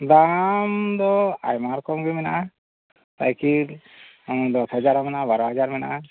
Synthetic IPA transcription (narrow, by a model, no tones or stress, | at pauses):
d̪amd̪ɔajmaɾkɔmɡimɛnʔa | t̪a̰jki | d̪ɔsɦad͡ʒaɾɦamɛnabaɾɔɦad͡ʒaɾmɛna